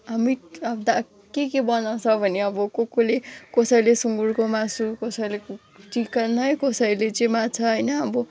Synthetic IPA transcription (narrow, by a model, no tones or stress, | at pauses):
ɦamiʌd̪a | kekebʌnãsʰʌbʱʌneʌbʌkokolekʌsʌjlesuŋɡuɽkomasukʌsʌjlek | ʈikʌnʌjkʌsʌilet͡sʌĩmat͡sʰʌɦʌjnʌːbʌ